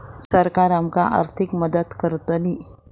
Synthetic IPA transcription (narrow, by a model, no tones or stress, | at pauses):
səɾkaɾamkaʔa̰ɾt̪ʰikməd̪ət̪kəɾt̪əni